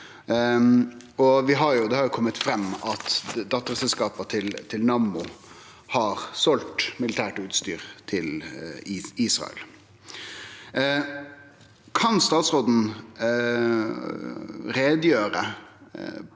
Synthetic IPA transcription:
ɔʋɪɦɑɾjʊd̪ɛhɑɾjʊkʰɔmːət̪fɾɛmːɑt̪d̪ɑt̪ːəɾsɛlskɑːpət̪ʰɪlt̪ʰɪlnɑmʊ | hɑɾsɔlt̪mɪlɪt̪ʰæːʈʉːt̪st̪y̰ːɾt̪ʰɪl | iːsʁɑ̰ə̰l | kʰɑnst̪ɑːt̪sɾoːd̪n̩ | ɾeːd̪jøːɾə̰

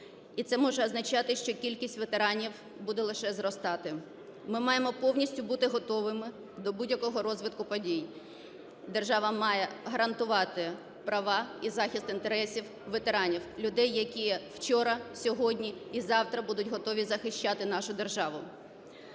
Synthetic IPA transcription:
it̪sɛmɔʒɛɐznɐt͡ʃɑt̪ɪʃt͡ʃɔkʲilʲkʲisʲtʲʋet̪eɾɑnʲiw | bud̪ɛlˠɪʃɛzrɔst̪ɑt̪ɪ | mɪmɑjemɔpɔwnʲisʲtʲʊbut̪ɪɦɔt̪ɔʋɪmɪ | d̪ɔbudʲjɐkɔɦɔɾɔzʋɪt̪̚kʊpɔdʲij | d̪erʒɑʋɐmɑjɛɦɐɾɐnt̪ʊʋɑt̪ɪ | pɾɐʋɑizɑxʲist̪ɪnt̪eɾɛsʲiw | ʋet̪eɾɑnʲiwlʲʊd̪ɛjːɐkʲijɛwt͡ʃɔɾɐsʲɔɦɔdʲnʲiizɑwt̪ɾɐbud̪ʊtʲɦɔt̪ɔʋʲizɐxɪʃt͡ʃat̪ɪn̪ɑʃʊd̪e̞rʒɑʋʊ

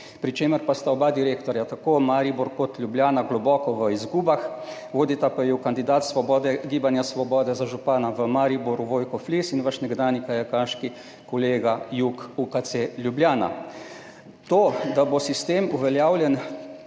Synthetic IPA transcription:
pɾit͡ʃeːməɾpast̪aɔbad̪iɾeːkt̪ɔɾjat̪akoːmaɾibɔɾkɔt̪lʲjubljaːnaɡlɔbɔːkɔʋəizɡuːbax | ʋoːd̪it̪apajɛwkand̪id̪aːt̪sʋɔbɔd̪ɛɡiːbanjasʋɔbɔːd̪ɛzaʒupaːnaʋəmaɾibɔɾuʋoːjkɔflisinʋaʃnɛɡd̪aːnikajɛkaːʃki | kɔleːɡajukukat̪selʲjubljaːna̰ | t̪od̪abosist̪eːmuʋɛljaːwlʲjɛn

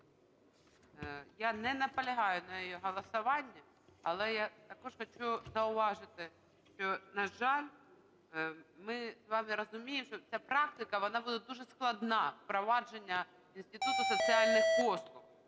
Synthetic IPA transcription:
janɛnɐpɐlʲɐɦɑjʊnɐjɔjɛɦɐlˠɐsɐʋɑnʲːɐ | ɐlˠɛjat̪ɐkɔʐxɐt͡ʃuzɐʊʋɑʒɪt̪ɪ | ʃt͡ʃɔnɐʒɑlʲ | mɪzʋɑmɪɾɐzʊmʲijɪmʃt͡ʃɔt͡sʲapɾɑk̚t̪ɪkɐʋɔnɑbud̪ɛd̪uʒɛsklˠɐd̪nɑfpɾɔʋɑd͡ʒenʲːɐ | insʲt̪ʲɪt̪ut̪ʊsɔt͡sʲialʲnɪxkɔslˠʊx

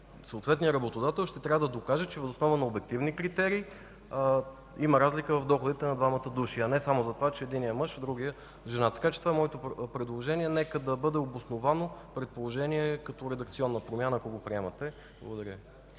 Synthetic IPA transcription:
sɐːt̪vɛt̪nijəɾɐbot̪od̪at̪ɛlˠʃt̪ɛt̪ɾʲavəd̪ɐd̪okaʒət͡ʃɛvɐzosnɔvənɐobɛk̚t̪ivnikɾit̪ɛɾiː | iməɾazlikəvɐvd̪ɔxʊd̪it̪ɛnɐd̪vamɐt̪əd̪uʃiɐnɛsamozɐt̪ovat͡ʃɛːd̪inijəmɤʃd̪ɾuɡijə | ʒɛnat̪ɐ̥kat͡ʃɛ̥t̪ovaɛmɔɛt̪opɾɛd̪lˠoʒɛniɛnɛkəd̪ɐbɤd̪ɛobosnovanopɾɛt̪̚polˠoʒɛniɛkɐt̪ɔɾɛd̪ɐk̚t̪siɔnːəpɾomʲjanəkoɡopɾiɛmɐt̪ɛ | blˠə̰ɡod̪ɐɾʲə

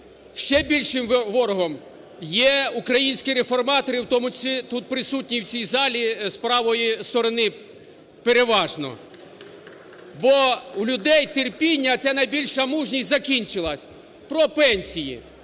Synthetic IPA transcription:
ʃt͡ʃɛbʲilʲʃɪmʋɔɾɔɦɔm | jɛukɾɐjinʲsʲkʲɪɾefɔrmɑt̪ɔɾɪwt̪ɔmʊt͡ʃit̪ut̪̚pɾɪsutʲnʲiwt͡sʲijzɑlʲispɾɑʋɔjist̪ɔɾɔnɪ | peɾeʋɑʒnɔ̰ | bɔwlʲʊd̪ɛjt̪erpʲinʲːɐt͡sʲanɐjbʲilʲʃɐmuʒnʲisʲtʲzɐkʲinʲt͡ʃɪlˠɐsʲ | pɾɔpɛnʲsʲijḭ

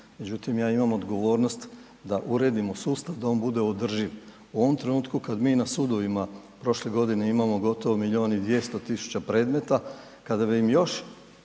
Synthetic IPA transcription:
me̞d͡ʑut̪imjaːimamod̪ɡo̞ʋo̞ːɾnost̪ | d̪aʔuɾe̞ːd̪imo̞suːst̪aʋd̪ao̞ːnbud̪e̞od̪r̩ʒiʋ | uo̞ʋomt̪ɾe̞nuːt̪kukad̪miːnasud̪o̞ʋima | pɾo̞ʃleɡo̞d̪ine̞imamo̞ɡo̞t̪o̞ʋomiʎioːnid̪ʋje̞st̪o̞t̪isu̥t͡ɕapɾe̞ːd̪me̞t̪a | kad̪abiimjo̞ʃ

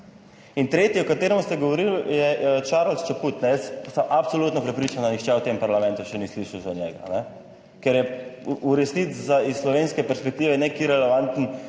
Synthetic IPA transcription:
int̪ɾeːt̪iɔkat̪eːɾɛmust̪ɛɡɔʋɔɾiljɛt͡ʃaɾlst͡ʃaput̪nɛjɛssɐmʔapsoluːt̪nɔpɾɛpɾiːt͡ʃand̪anixt͡ʃɛwt̪empaɾlamɛ̃nt̪uʃɛnisliʃawzɔnjɛɡa̰nɛ | kɛɾjɛuɾɛsnizzaisslɔʋenskɛpɛɾspɛk̚t̪iːʋɛnekiɾɛlɛʋant̪n

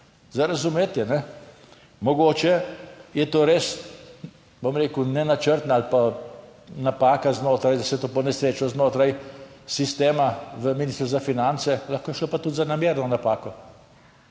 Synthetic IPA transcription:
zaɾazumeːt̪jɛnɛ | mɔɡoːt͡ʃɛjɛt̪oːɾeːs | bomɾeːkunɛnat͡ʃəɾt̪naalpa | napaːkaznoːt̪ɾajd̪ɐsɛt̪oːpɔnɛsɾeːt͡ʃɔznoːt̪ɾaj | sist̪eːmaʋəminist̪ɾuzafinant̪sɛlaxkoːjɛʃlopat̪ut̪zanamjeːɾnɔnapaːkɔ

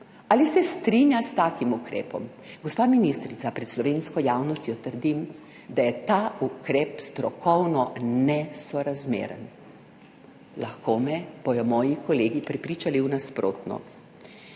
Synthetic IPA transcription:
alisɛst̪ɾinjast̪aːkimukɾɛ̰ːpɔm | ɡɔspaːminist̪ɾit̪sapɾɛt̪slɔʋeːnskɔjawnɔst̪jɔt̪əɾd̪im | d̪ajɛt̪aːukɾɛːpst̪ɾɔkɔwnɔnɛsɔɾazmḛːɾə̰n | laxkoːmɛb̥ɔjɔmɔːjikɔleːɡipɾɛpɾiːt͡ʃaliwnaspɾo̰ːt̪nɔ̰

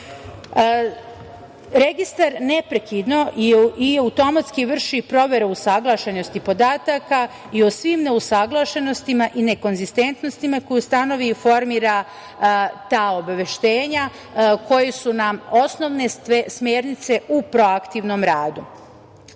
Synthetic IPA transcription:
ɾe̞ɡist̪aɾne̞pɾekid̪no̞ʔiiaut̪o̞mat̪skiʋr̩ʃipɾo̞ʋe̞ɾeusaɡlˠaːʃeno̞st̪ipo̞d̪aːt̪aka | iosʋimne̞usaɡlˠaʃe̞no̞st̪imaʔine̞ko̞nzist̪e̞nt̪no̞st̪imako̞just̪ano̞ʋifo̞ɾmiːɾa | t̪aːo̞baʋe̞ʃt̪e̞ːɲa | ko̞jesunao̞sno̞ʋne̞smeːɾnit̪se̞ʔupɾo̞akt̪iʋno̞mɾaːd̪u

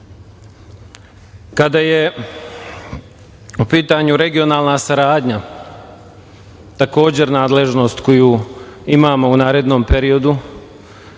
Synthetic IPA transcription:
kad̪aje̞ | upiːt̪aɲuɾe̞ɡio̞naːlˠnasaɾaːd̪ɲa | t̪ako̞ːd͡ʑe̞ɾnaːd̪le̞ʒno̞ːst̪ko̞juːimaːmo̞unaːɾe̞d̪no̞ːmpe̞ɾio̞d̪u

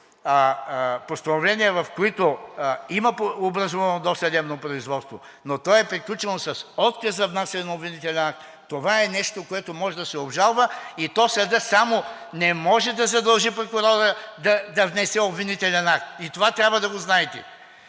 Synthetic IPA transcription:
post̪ɐnovlɛniɛvɐfkoit̪oimɐpobɾɐzɔvɐnod̪ɔst̪ɐd̪ɛmnopɾoizvɔt̪st̪vo | not̪ɔɛpɾiklʲut͡ʃɛnosɐsɔt̪kɐzɐvnasɛnobvinit̪ɛlʲɛnak̚t̪ːovaɛnɛʃt̪okoɛt̪omɔʒɛd̪ɐsɛobʒalˠvəit̪ɔsɐd̪əsamo | nɛmɔʒɛd̪ɐzɐd̪ɐlˠʒipɾokʊɾɔɾəd̪ɐd̪ɐvnɛsɛobvinit̪ɛlʲɛnakt̪it̪ovat̪ɾʲabvəd̪ɐɡoznaɛt̪ɛ

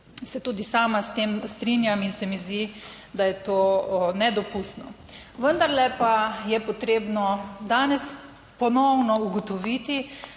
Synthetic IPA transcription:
sɛt̪uːd̪isaːmast̪eːmst̪ɾinjaminsɛmizd̪i | d̪ajɛt̪oːnɛd̪ɔpust̪nɔ | ʋənd̪aɾlɛpajɛpɔt̪ɾeːbnɔd̪aːnɛs | pɔnɔwnɔuɡɔt̪ɔʋiːt̪i

